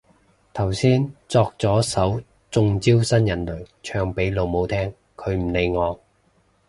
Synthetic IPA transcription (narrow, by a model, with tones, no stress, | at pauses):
t̪ʰɐ˨˩wsiː˥nt͡sɔː˧k̚t͡sɔː˨˥sɐ˨˥w | t͡sʊ˨˧ŋt͡siː˥wsɐ˥njɐ˨˩nlɵ˨˩ɥt͡ʃʰœː˧ŋpe˨˥jlo˨˧wmo˨˧wt̪ʰɛː˥ŋ | kʰɵ˨˧˥ɥm̩˨˩le˨˧jŋɔː˨˧ŋ